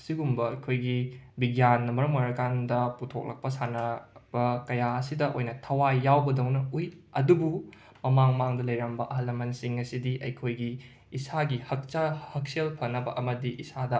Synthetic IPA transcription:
siɡumbɐɐjkʰojɡibiɡjanːɐmɐɾɐmɐɾɐkandɐputʰok̚lʔɐ̰k̚pɐsanɐb̥ɐkɐjaɐsidɐʔojnɐtʰɐwajawbɐdɐwnɐujɐdubu | mɐmaŋmaŋdɐlɐjɾɐmbɐʔɐɦɐlːɐmɐnsiŋɐsidiʔɐ̰jkʰojɡiː | saɡihɐk̚t͡ʃɐhɐk̚selpʰɐnːɐbɐ̰ʔɐmɐdiʔisadɐ

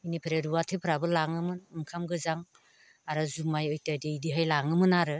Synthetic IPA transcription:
inipʰɾeɾuwatʰɯpʰɾabɯlaŋɯmɯnɯŋkʰamɡɯzaŋ | aɾazumajɔjtadiidiɦajlaŋɯmɯnaɾɯ

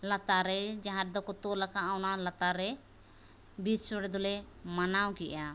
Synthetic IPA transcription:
lat̪aɾɛd͡ʒaɦãɾ̚d̪ɔkɔt̪ɔlakʰaawnalat̪aɾɛ | bit͡ʃsɔɽɛd̪ɔlɛ | manawkɛʔa

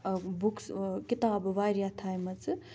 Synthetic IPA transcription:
bukskit̪aːbʋaɾjat̪ʰajmɐt͡sɨ

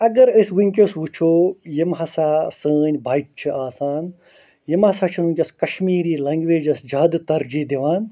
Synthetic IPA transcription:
ɐɡɐɾɨsʲʋɨŋʲkʲosʋut͡ʃʰoːjimɦɐsaːsəːnʲbʱɐjʈ̚t͡ʃʰɨʔaːsaːn | jimhɐsat͡ʃʰununʲkʲɐskɐʃmiːɾiːlɐŋɡʋeːd͡ʒɐsd͡ʒɐːd̪t̪ɐɾd͡ʒid̪iʋaːn

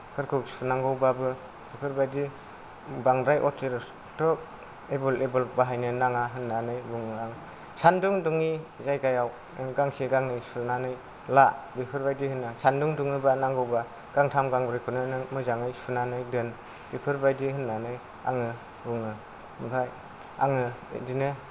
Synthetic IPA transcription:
kʰɯɾkʰuksunaŋɡɯwbabɯ | bipʰɯɾbajdi | baŋɾajʔɔtʰiɾ | tʰɔk̚ | ebɯlebɯlbaɦajnɯnaŋaɦɯnːanɯjbuŋɯaŋ | sanduŋduŋizajɡajaw | ɡaŋseɡaŋnɯjsunanɯj | labipʰɯɾbajdihɯnːasanduŋduŋnɯbanaŋɡɯwba | ɡ̥aŋtʰamɡaŋbɾikʰɯnɯnɯmɯzaŋɯjsunanɯjdɯn | bipʰɯɾbajdiɦɯnːanɯj | a̰ŋɯ | buŋɯ | ɯmpʰaj | a̰ŋɯdinɯ

